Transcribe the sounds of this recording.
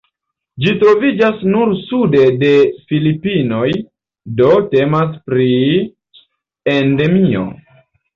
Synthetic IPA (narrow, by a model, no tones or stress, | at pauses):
d͡ʒitɾo̞vid͡ʒasnuɾsude̞de̞filipino̞j | do̞te̞mas̬pɾi | ende̞mio̞̰